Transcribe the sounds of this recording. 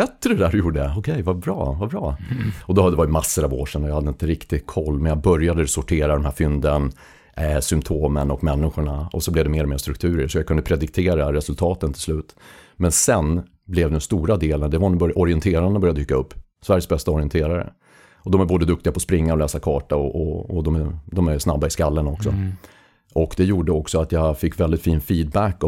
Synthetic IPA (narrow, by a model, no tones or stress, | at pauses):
bɛt̪ːəɖɛd̪æːɾjuːɖəjaɔkʰɛjvabɾɑ̰ːvabɾɑ̰ːɔd̪ɔhd̪ɛvaɾʏmasːəɾɑvoːʂɛnːɔjɑhad̪ːəɪnt̪əɾɪkt̪ɪɡ̪kʰɔlːmɛnjɑbœɾjad̪əsʊʈʰeːɾad̪ɔmhæːɾfʏnd̪ən | sʏmpt̪ʰoːmənɔkmɛnːɪɧʊɳaɔsɔblɛvd̪ɛmeːɾɔmeːɾʂt̪ɾɵkt̪ʰʉ̟ːɾəʂɔjakɵnd̪əpʰɾɛd̪ɪk̚t̪ʰeːɾaɾɛsɵlt̪ʰɑːt̪ənt̪ʰɪlslʉ̟ːt̪mɛnsɛn | blɛvd̪ɛst̪uːɾad̪eːlənd̪ɛvanbœʔɔɾɪɛnt̪ʰeːɾanbœɾjad̪yːkːaɵpː | svæɾjəsbɛst̪aɔɾɪənt̪ʰeːɾaɾə̰ | ɔd̪ɔmæɾboːd̪əd̪ɵk̚t̪ɪɡapʰɔspɾɪŋːaɾɔlɛːsakʰɑːʈaɔʔɔɔd̪ɔmæd̪ɔmæɾsnabːaɪskalːənɔksɔ̰ | ʔɔkd̪ɛjuːɖəɔksɔat̪jɑɡfɪkːvɛld̪ɪt̪fiːnfiːd̪̚bækːɔ